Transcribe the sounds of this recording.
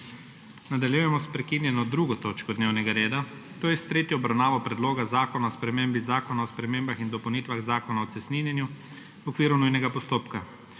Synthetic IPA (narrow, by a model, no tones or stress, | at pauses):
nad̪aljujɛmɔspɾɛkinjɛnɔd̪ɾuɡɔt̪oːt͡ʃkɔd̪neːwnɛɡaɾeːd̪a | t̪oːjɛst̪ɾeːt̪jɔɔbɾawnaːʋɔpɾɛd̪loːɡazaːkɔnaɔspɾɛmeːmbizaːkɔnaɔspɾɛmeːmbaxind̪ɔpɐwnit̪ʋaɣzaːkɔnaɔt̪sɛsninjɛnju | ɔkʋiːɾunujnɛɡapɔst̪oːpka